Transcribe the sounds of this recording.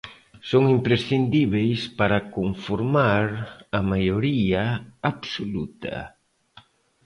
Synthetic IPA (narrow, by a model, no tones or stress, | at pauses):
soŋimpɾesθind̪iβejspaɾakoɱfoɾmaɾamajoɾiaaβsolut̪a̰